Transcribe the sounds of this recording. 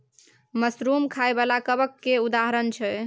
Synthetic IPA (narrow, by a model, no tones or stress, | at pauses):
məsɾumkʰaebalakəbəkːeud̪aɦəɾənt͡ʃʰɛ